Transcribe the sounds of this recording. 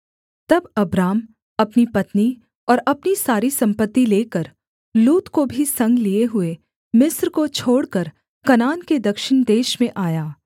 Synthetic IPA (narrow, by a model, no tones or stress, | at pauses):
t̪ɐbɐbɾaːm | ɐpnipɐt̪ni | ɔːɾɐpnisaːɾisɐ̃mpət̪ːileːkəɾ | luːt̪kobʱisɐ̃ŋɡlieɦʊe | mɪsɾkot͡ʃʰoːɽkəɾ | kɐnaːnked̪ɐkʃɪɳ̃d̪eːʃmẽʔaːjaː